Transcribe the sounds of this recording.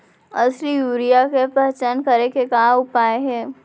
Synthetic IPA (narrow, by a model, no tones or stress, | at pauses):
ɐsɾijuːɾijakepɛɦt͡ʃankəɾekekaːʊpaːeɦɛː